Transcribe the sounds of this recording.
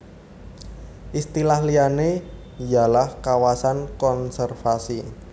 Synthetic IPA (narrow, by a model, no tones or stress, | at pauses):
ʔist̪ilahlijane | jalahkawasankɔnsɛrfasi